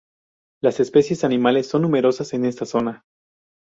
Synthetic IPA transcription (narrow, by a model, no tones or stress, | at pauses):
lase̞spe̞sje̞sanĩmale̞sːo̞nːũme̞ɾo̞sase̞ne̞st̪aso̞na